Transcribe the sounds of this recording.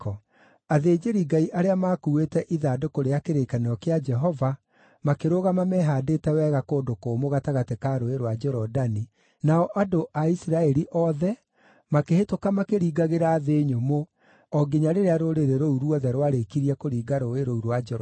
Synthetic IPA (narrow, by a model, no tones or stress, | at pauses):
ɔ | aðeːd͡ʒeɾiɡaiʔaɾeamaːkuwetɛʔiðadokoɾeakeɾekaneɔkead͡ʒɛɦɔva | makeɾoɣamamɛɦadeːtɛwɛːɣakoːdokoːmoɣataɣatekaɾoeɾwad͡ʒɛɾɔdani | naɔʔadoʔaisiɾaɛɾiʔɔðɛ | makehetokamakeɾiːɡaɣeɾaːðeːɲomo | ɔɡeɲaɾeɾeaɾoɾeɾeɾouɾuɔðɛɾwaɾekiɾiakoɾiːɡaɾoeɾouɾwad͡ʒɛɾ